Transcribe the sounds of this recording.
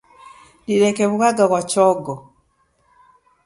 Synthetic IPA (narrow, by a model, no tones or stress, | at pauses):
liɾekeβuɣaɡaβwacɔɡɔ